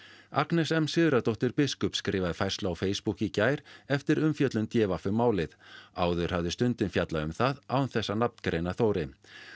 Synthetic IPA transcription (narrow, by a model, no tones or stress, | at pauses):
a̰knɛsɛmsɪðʏɾat̪ɔht̪ʏɾpɪskʏpskɾɪːvaðɪfajr̥slaːwfeːjspuhcicaːjɾɛft̪ɪɾʏmfjœt̪lʏnt̪jɛːvafʏmːaːwlɪðaːwðʏɾ̥havðɪst̪ʏnt̪ɪnfjat̪laʏmθaðawnθɛsːanap̚nkɾejnaθoːwɾɪ